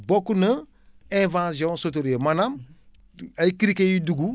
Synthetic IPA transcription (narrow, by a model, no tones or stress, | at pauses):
bokːunɐ | ẽvãsiõsot̬oɾiemanam | ajikiɾikejiduɡu